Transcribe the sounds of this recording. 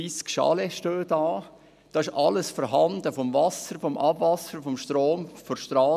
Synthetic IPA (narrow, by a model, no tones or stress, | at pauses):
iːskʃɑ̰lɛʃtøːdɑː | d̥ɑːɪʃʔɑləsfɔɾɦɑndəfɔmvɑsəɾfɔmʔɑbvɑsəɾfɔmʃtɾoːmfɔʃtɾɑː